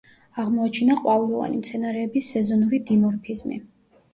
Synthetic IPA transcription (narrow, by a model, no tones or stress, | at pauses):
aʁmɔat͡ʃʰinaqʼwavɛlˠɔva̰nḭmt̪sʰɛnaɾɛːbisɛzɔnuɾid̪imɔɾpʰizmḭ